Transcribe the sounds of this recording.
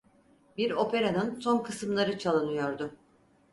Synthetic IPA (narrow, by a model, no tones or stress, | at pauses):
biɾo̞pʰe̞ɾanɯnso̞nkʰɯsɯmlˠaɾɯt͡ʃʰalˠanɯjo̞ɾd̪ʊ